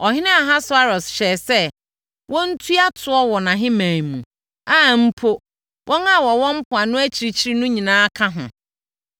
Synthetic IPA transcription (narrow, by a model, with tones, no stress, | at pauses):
ɔ˨ɦɪ̃˦nɪ̃˦a˨ɦã˦sʊ˨˦a˦ɾɔ˨sɕɛː˨sɛ˦ | wʔɔ̃˦n̩˦tʰu˦a˦tʰʊ˨˦ɔ˦wɔ˨nã˨ɦɪ̃˦mãː˨mũ˨ | a˦˨m̩˦pʰo˦ | wʔɔ̃˦ŋa˦wɔ˨wɔ̃˦m̩˦pʰʊ˨a˨nʊ̃˦æ˦t͡ɕʰi˨ɾi˨t͡ɕʰi˦ɾi˨nʊ̃˦ɲĩ˨nãː˦kʰã˦ɦʊ̰̃˨